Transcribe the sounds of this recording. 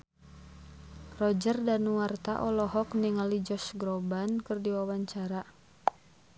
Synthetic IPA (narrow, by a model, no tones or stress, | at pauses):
rɔd͡ʒərdanuwart̪aʔɔlɔɦɔkniŋalid͡ʒɔsɡɾɔbankɨrdiwawaɲt͡ʃaɾa